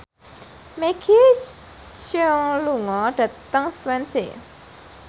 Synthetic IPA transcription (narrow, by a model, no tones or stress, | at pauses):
mekʰi | t͡ʃəŋluŋɔɖ̥ä̤t̪əŋswɛnsḛ